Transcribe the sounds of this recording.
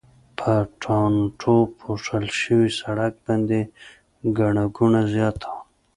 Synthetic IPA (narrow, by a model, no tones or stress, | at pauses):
pʰəʈʰɑnʈʰopʰoʂəlʃəwisaɽak̚band̪e | ɡaɳaɡunazjɑt̪ʰḁ